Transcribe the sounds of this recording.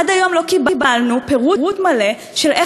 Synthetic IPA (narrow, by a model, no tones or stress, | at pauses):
adajo̞mlo̞kibbalnupeʁuʁutmale̞ | ʃelʔe